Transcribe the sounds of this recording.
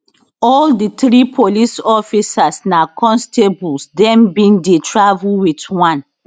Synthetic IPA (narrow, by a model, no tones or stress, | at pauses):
ɔlditɾipʰolisɔfisasnakʰɔ̃nstebulsdɛ̃mbĩndetʰɹavulwitwãn